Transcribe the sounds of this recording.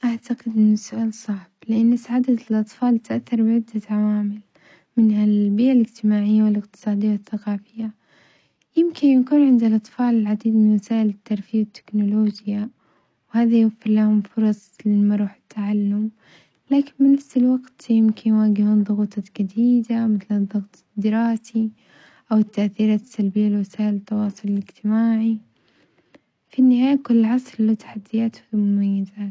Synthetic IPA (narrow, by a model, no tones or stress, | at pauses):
ʔaʕt̪aɡɪd̪ʔɪnːʊsʊʔaːlsˤɑʕb̥lɪʔanːɪsaʕaːd̪at̪ɪlʔɑt̪ˤfɑːlt̪ʔaθːɑɾˤbɪʕɪd̪ːaʕawaːmɪl | mɪnhalbiːʔalɪd͡ʒt̪ɪmaːʕɪjːawɪlɪqt̪ɨ̥sˤɑːd̪ɪjːawɪθːaqɑːfɪjːa | jɪmkɪnjakuːnʕɪnd̪ɪlʔɑt̪ˤfɑːlɪlʕad̪iːd̪mɪnwasaːʔɪlɪt̪ːɑɾˤfijːwɪt̪ːɪ̥knʊloːd͡ʒja | whaːðajwafːɪɾlahʊmfʊɾˤɑsˤlɪmaɾˤuːħɪ̥t̪ʰːaʕalːʊm | laːkɪnbɪnafsɪlwaɡt̪jɪmkɪnjwaːɡɪhuðˤʊɣuːt̪ˤd͡ʒad̪iːd̪amɪθld̪ˤːɑɣt̪ˤ | d̪ːɪɾɑːsi | ʔawɪt̪ːaʔθiːɾaːt̪salbɪjːalɪwasaːʔɪlɪt̪ːɑwɑːsˤʊlɪlɪɡt̪ɪmaːʕi | finːɪɦhaːjakʊlːɪʕɑsˤllat̪ḁħad̪ːɪjaːt̪mʊmajːɪzaːt̪